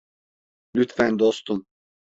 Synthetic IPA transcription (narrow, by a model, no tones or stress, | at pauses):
lʲyt̪fɛnd̪ost̪um